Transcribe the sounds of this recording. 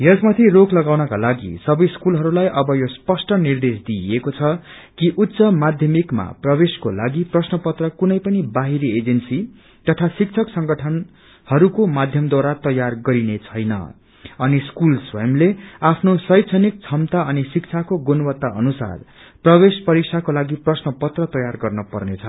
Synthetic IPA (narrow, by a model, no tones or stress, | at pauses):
jʌsmat̪ʰiroklʌɡawnʌkalaɡḭsʌbʌjskulɦʌɾulajʔʌbʌjospʌsʈʌnird̪esd̪iekot͡sʰʌ | kiʔut̪ːsʌmad̪ʱjʌmikma̰prʌbeskolaɡiprʌsnʌpʌt̪rʌkunʌjpʌnibaɦiɾied͡zensi | t̪ʌt̪ʰasik̚t͡sʰʌksʌŋɡʌʈʰʌn | hʌɾukomad̪ʱjʌmd̪waɾat̪ʌjarɡʌɾinet͡sʰʌjnʌ̰ | ʌniskulswʌ̰jmleapʰnosʌjt̪t͡sʰʌnik̚t͡sʰʌmt̪aʌnisik̚t͡sʰakoɡonʌwʌt̪ːaʔʌnusa̰r | prʌbespʌɾiksʰakolaɡiprʌsnʌpʌt̪rʌt̪ʌjarɡʌrnʌpʌrnet͡sʰʌ